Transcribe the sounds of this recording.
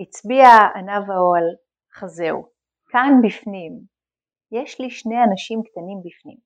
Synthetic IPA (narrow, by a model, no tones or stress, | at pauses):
it͡sbiaanavaoal | χazeu | kanbifnim | jeʃliʃne̞janaʃimkt̪animbifnḭm